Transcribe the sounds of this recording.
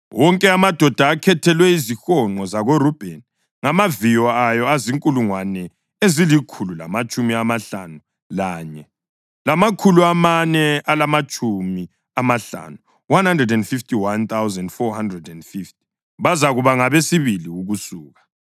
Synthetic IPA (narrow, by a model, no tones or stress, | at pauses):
wʔɔŋkʼɛamad̥ʱɔd̥ʱaːkʰɛtʰɛlwɛizixɔŋ͡ǃɔzaɣorub̥ʱɛn | ŋamavijɔajɔaziŋkʼuluŋwanɛ | ezilikʰulula̰mat͡ʃʼumiamaɬa̰nu | laːɲɛ | lamakʰuluamanɛalamat͡ʃʼumi | amaɬa̰nu | wanhandrɛdɛndfiftʰʼiwant̪awzɛndfɔhandrɛdɛndfift̚ʰʼi̥ | βazaɣuβaŋaβesiβiliuɣusuːɣa